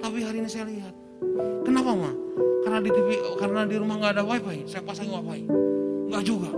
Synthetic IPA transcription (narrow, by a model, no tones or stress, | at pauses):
t̪apiɦaɾinisajaliɦat̪̚ | kənapamakarnadit̪ifikarənadiɾumahŋɡaːdawaipaisajapasaŋwawaiŋɡaʔd͡ʒuɡa